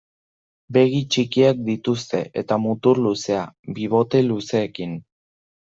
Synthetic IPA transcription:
be̞ɣit͡ʃikiak̚d̪it̪ust̪e̞ʔe̞̰t̪amut̪uɾluse̞abiβo̞t̪e̞luse̞ːkin

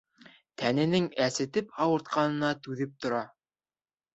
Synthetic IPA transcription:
t̪ʰænɘ̆nɘŋæsɘ̆t̪ɘpʰɑwɤ̆ɾt̪̚qɑnɤ̆nɑt̪ʉðɘp̚t̪ŏɾɑ

